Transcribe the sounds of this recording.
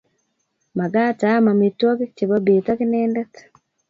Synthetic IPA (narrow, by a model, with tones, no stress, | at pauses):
ma˨ɡa˦ta˨˦ma˨me˨twɔ˦ke˦t͡ʃe˨ba˦be˨ta˦kɪ˦nɛːndɛ˦t